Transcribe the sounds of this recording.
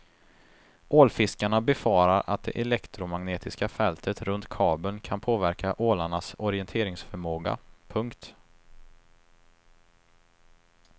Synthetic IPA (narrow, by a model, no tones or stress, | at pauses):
ʔoːlfɪskaɳabɛfɑːɾaɾʔa̰t̪̚d̪ɛ̰ʔɛlɛkt̪ɾʊmaŋneːt̪ʰɪskafɛlt̪ʰət̪ɾɵnt̪kʰɑːbənkʰanpʰoːvæɾkʰaʔoːlaɳasɔɾɪɛnt̪ʰeːɾɪŋsfœɾmoːɡa̰pʰɵŋkt̪